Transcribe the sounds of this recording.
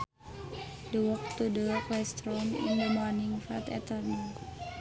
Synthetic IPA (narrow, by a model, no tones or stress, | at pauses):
dəwɔk̚t̪udəklɛst̪ɾɔmḭndəmɔrniŋfɾa̰t̪ɛ̰t̪ərnɔ